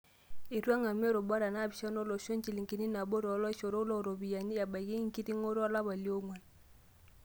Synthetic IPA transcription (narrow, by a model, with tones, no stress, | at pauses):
i˨ɾwa˦ŋa˨me˦ɾo˨ba˦ɾa˨na˦˨bi˨ʃa˦no˦lo˨ʃo˦ŋt͡ʃi˨li˨ŋki˨ni˦na˨bo˦ɾɔ˨˦lɔ˦i˦ʃo˨ɾo˦lo˦˨ɾo˨bi˨ja˨ɲi˦ja˨ba˨ɣi˦ŋ˦ki˦ti˦ŋo˦ɾa˦la˦βa˨ljo˦ŋwa˨n